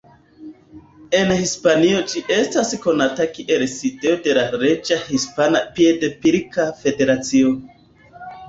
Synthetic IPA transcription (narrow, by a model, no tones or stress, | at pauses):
e̞nhispanio̞d͡ʒiʔe̞stasko̞natakiʔelside̞ode̞laɾe̞d͡ʒahispanapiedepiɾikafe̞de̞ɾat͡sion